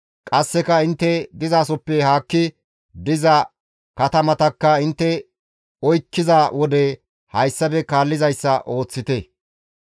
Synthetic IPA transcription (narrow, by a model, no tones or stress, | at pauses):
kʼɐsːɛkɐɪnt̪ːɛd̪ɪzaːsɔpːɛɦaːkːɪ | d̪ɪzɐ | kɐt̪ɐmɐt̪ɐkːɐɪnt̪ːɛ | ɔjkːɪzawɔd̪ɛ | hɐjsːɐbɛkaːlːɪzɐjsːɐʔo̞ːt͡sːɪt̪ɛ